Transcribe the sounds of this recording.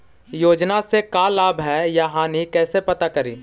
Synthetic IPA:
joːd͡ʒnasekaːlaːbɦɛjaɦãːnikɛːsepɐt̪akɐɾḭː

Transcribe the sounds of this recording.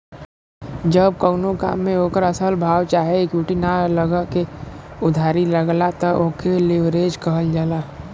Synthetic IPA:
d͡ʒəb̚kəɡnoka̰ːmːẽɦoːkəɾɐsəlbʱaːwt͡ʃaːɦekjuʈinaləɡəkeʊd̪ʱaːɾiləɡlat̪ɐʔoːkelɪʋɾeːd͡ʒkɐɦəld͡ʒaːlaː

